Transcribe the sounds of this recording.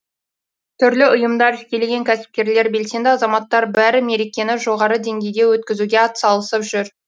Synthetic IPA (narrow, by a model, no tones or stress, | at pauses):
t̪ʰʏɾlɪʔʊjəmd̪ɑɾʰɪ̥kʲe̞leɡʲe̞ŋkʲʰæsɪ̥p̚kʲe̞ɾle̞ɾbe̞lse̞nd̪ɪɑzɑmɑt̪ːɑɾbæɾɪme̞ɾekʲe̞nɪʒo̞ʁɑɾəd̪e̞ŋɡʲe̞jd̪e̞wɵt̪̚kʲɪzuɡʲe̞ɑt̪ə̥sɑlˠəsəpʒʏɾ